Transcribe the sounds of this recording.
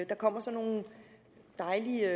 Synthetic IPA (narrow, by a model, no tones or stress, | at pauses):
d̥ɑ̈kʰɒ̽m̰ɐsɒ̽nːo̝ːn̩ | d̥ɑ̈ɪli